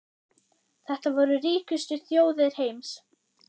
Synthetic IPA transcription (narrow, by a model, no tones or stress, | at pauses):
θɛht̪avɔɾʏriːcʏst̪ʏθjoːwðɪðɾ̥hejms